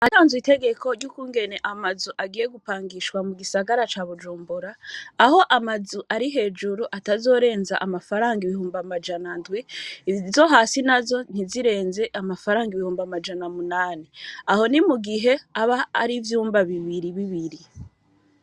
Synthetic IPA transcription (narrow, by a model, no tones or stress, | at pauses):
ataːnzwite̞ɡe̞ko̞ɾɟuːkuːŋɡe̞ne̞ʔamazuʔaɡijeɡupaːŋɡiʃkwamuɡisaɡaɾat͡ʃaːβud͡ʒuːmbuɾaːho̞ʔamazuʔaɾiɦe̞ːd͡ʒuɾuʔatazo̞ːɾe̞ːnzaʔamafaɾaːŋɡiβihuːmbamad͡ʒanandwizo̞ɦaːsinazo̞n̥iziɾe̞ːnze̞ʔamafaɾaːŋɡiβihuːmbamad͡ʒanamunaːniaho̞nimuɡiɦe̞aβa̰ːɾivjuːmbaβiβiɾiβiβiɾi